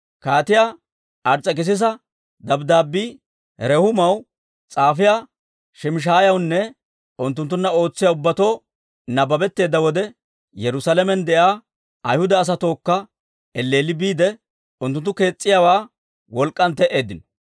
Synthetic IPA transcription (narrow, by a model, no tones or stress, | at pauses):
kaːt̪ɪjaː | ʔɐɾt͡sʼːɐkɪs̬ɪs̬ɐ | d̪ɐbd̪aːbiː | ɛɾɛhʊmɐw | t͡sʼaːfɪja | ʃɛmɪʃ̬aːjɐwnːɛ | ʊnt̪ːʊnt̪ːʊnːɐo̞ːt͡sːɪjaʊbːɐt̪o̞ː | nɐbɐbɛt̪ːe̞ːd̪ːɐwɔd̪ɛ | jɛɾʊsalɛmɛnd̪ɛʔaː | ɐjhʊd̪ɐːs̬ɐt̪o̞ːkːɐ | ɛlːeːlɪbiːd̪ɛ | ʊnt̪ːʊnt̪ːʊke̞ːt͡sʼːɪjawaː | wɔlkʼːɐnt̪ɛʔe̞ːd̪ɪnɔ̥